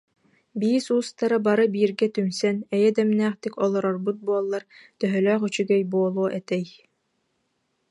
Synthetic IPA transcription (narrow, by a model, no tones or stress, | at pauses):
biːsuːst̪aɾabaɾɯbiːɾɡɛt̪ymsɛnɛjɛd̪ɛmnæːχt̪ikɔlˠɔɾɔɾbut̪̚buɔlˠːaɾt̪œɦœlœːχyt͡ɕyɡɛjbuɔlˠuɔʔɛt̪ɛj